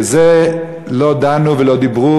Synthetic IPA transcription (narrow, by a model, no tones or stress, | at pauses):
ze | lod̪anuvelod̪ibʁu